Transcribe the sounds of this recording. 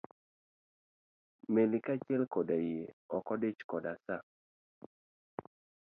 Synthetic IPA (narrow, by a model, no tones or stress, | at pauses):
melikat͡ʃɛlkɔdajeɔkɔdet͡ʃkɔdasa